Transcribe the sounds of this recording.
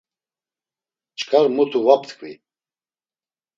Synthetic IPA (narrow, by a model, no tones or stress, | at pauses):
t͡ʃʼkʰaɾmut̪ʰuvap̚t̪ʰkʰvḭ